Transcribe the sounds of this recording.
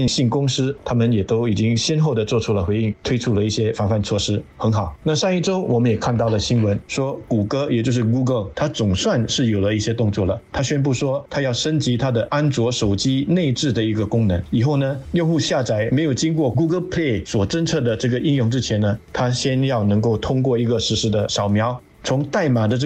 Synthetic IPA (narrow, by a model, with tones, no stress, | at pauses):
i˥ɕi˥˩nkʊ˥ŋʂɹ̩˥t̪ʰa˥mə˨njɛ˨˩t̪o˥ʊi˨˩t͡ɕi˥ŋɕjɛ˥nxo˥˩ʊd̪ə˩t͡swɔ˥˩ʈ͡ʂʰu˥lə˨xwe˧˥ɪi˥˩ŋt̪ʰwe˥ɪʈ͡ʂʰu˥lə˨i˥˩ɕjɛ˥fa˧˥nfa˥˧nt͡sʰwɔ˥˩ʂɻ̩˥xə˧˥nxɑ˨˩˦ʊna˥˧ʂa˥˧ŋi˥˩ʈ͡ʂo˥ʊwʔɔ˨˩mə˦njɛ˨˩kʰa˥˧nt̪ɑ˥˩ʊlə˩ɕi˥nwə˧˥nʂwɔ˥ku˨˩kɤ˥jɛ˨˩t͡ɕjo˥˧ʊʂ̬ɻ̩˥˩ku˥ɡə˧˩lt̪ʰa˥t͡sʊ˨˩ŋswa˥˧nʂɻ̩˥˩jo˨˩ʊlə˦i˥˩ɕjɛ˥t̪ʊ˥˧ŋt͡swɔ˥˩lə˩t̪ʰa˥ɕɥɛ˥np̬u˥˩ʂwɔ˥t̪ʰa˥jɑ˥˩ʊʂə˥nt͡ɕi˧˥t̪ʰa˥d̪ə˨ʔa˥nt͡swɔ˧˥ʂo˨˩ʊt͡ɕi˥ne˥˧ɪʈ͡ʂɻ̩˥˩d̪ə˩i˧˥ɡə˧kʊ˥ŋnɤ˧˥ŋi˨˩xo˥˩ʊnə˩jŋxu˥˧ɕja˥˧˩t͡sa˧˥˩ɪme˧˥ɪjo˨˩ʊt͡ɕi˥ŋkwɔ˥˩k̬u˥ɡə˧˥lpʰle˥˩ɪswɔ˨˩ʈ͡ʂə˥nt͡sʰɤ˥˩d̪ə˩ʈ͡ʂɤ˥˩ɡə˩ʔi˥njʊ˥˧ŋʈ͡ʂɻ̩˥t͡ɕʰjɛ˧˥nə˨t̪ʰa˥ɕjɛ˥njɑ˥˩ʊnɤ˧˥ŋko˥˩ʊt̪ʰʊ˥ŋkwɔ˥˩i˧˥ɡə˧ʂɻ̩˧˥ʂɻ̩˧˥˩d̪ə˨ʂɑ˨˩ʊmjɑ˧˥ʊ | t͡sʰʊ˧˥ŋt̪a˥˩ɪma˨˩d̪ə˧˥